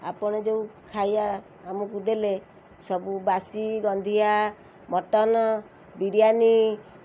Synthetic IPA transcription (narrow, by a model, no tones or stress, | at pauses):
a̰pɔɽ̃ɔd͡ʒeukʰajaː | mɔkud̪ele | sɔbubasiɡɔnd̪ʱija | mɔʈɔnɔ | biɾjani